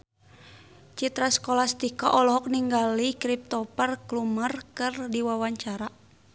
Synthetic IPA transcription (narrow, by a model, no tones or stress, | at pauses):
t͡ʃit̪ɾaskɔlast̪ikaʔɔlɔɦɔk̚niŋɡalikɾip̚t̪ɔpərklumərkɨrdiwawaɲt͡ʃaɾa